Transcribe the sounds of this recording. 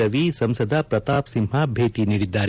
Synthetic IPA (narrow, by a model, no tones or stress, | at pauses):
ɐʋisɐmsɐd̪ʱɐpɾɐt̪aːpsimɦɐbʱeːt̪iniːɽid̪ːaːɾ